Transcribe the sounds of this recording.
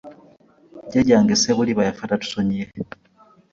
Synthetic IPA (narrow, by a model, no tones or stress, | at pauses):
ɟeɟaːŋɡiseβuliβajafatatu̥soɲije